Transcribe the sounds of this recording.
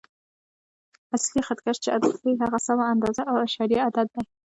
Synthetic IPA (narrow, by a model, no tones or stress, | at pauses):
aslixat̪kaɾt͡ʃead̪ad̪kəiɦaɣasawaand̪ɑzaʔawaʃɑɾiad̪ad̪̚d̪aj